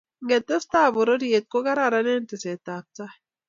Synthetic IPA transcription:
ŋɡɛ˨t̪ːe˦st̪a˦˨bo˨ɾo˦ɾie˨t̪̚ko˦ɡa˦ɾa˨ɾa˦ne˦nte˨se˨t̪a˨p̚t͡sa˦

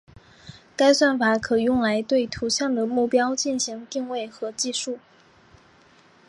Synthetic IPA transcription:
ka˥ɪswa˥˩nfa˨˧˥kʰɤ˨˩jʊ˥˩ŋla˧˥ɪt̪we˥˩ɪt̪ʰu˧˥ɕjɑ˥˩ŋd̪ə˩mu˥˩pjɑ˥ʊt͡ɕi˥˩nɕi˧˥ŋt̪i˥˧ŋwe˥˩ɪxɤ˧˥t͡ɕi˥˧ʂu˥˩

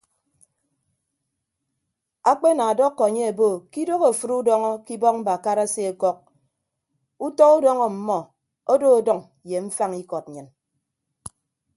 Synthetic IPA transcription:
a˦k͡pe˦na˨a˨dɔ˦kːɔ˨a˨ɲe˦e˨bo˦˨ki˦do˦ɣo˨fu˦ɾu˦dɔ˦ŋɔ˦ki˦bɔ˦k̚m̩˦ba˨ka˦ɾa˦se˦e˨kɔ˦k̚ | u˦tɔ˦ku˦dɔ˦ŋɔ˨m̩˨mɔ˨ | o˦do˦o˨dɔ˦˨ŋ | je˨ɱ̩˦fa˦ŋi˦kɔ˨t̚ɲɨ˨n

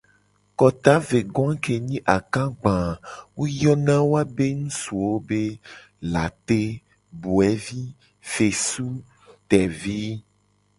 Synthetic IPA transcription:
kɔ˨t̪a˦ve˨ɡɔ̃˦ã˦ke˨ɲĩ˦ʔa˨kã˦ɡ͡bã˨wo˦jɔ˦nã˦wo˦a˦be˦ŋũ˦su˨wo˦be˦ | la̰˨t̪e˦ | bu˨ɛ˦vi˦ | fe˨su˦ | t̪ɛ˨vi˦

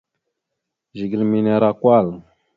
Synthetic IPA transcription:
ʒi˨ɡi˨lmi˨ne˨ɾa˨kwa˦˨l

